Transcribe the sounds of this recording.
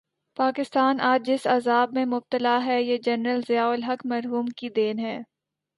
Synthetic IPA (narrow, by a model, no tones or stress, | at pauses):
paːkɪst̪aːnʔaːd͡ʒd͡ʒɪsazaːbmẽmʊb̚t̪əlaɦɛjed͡ʒɐnɾəlzɪjaːʊlɦɐkmɐɾɦuːmkid̪eːnɦɛː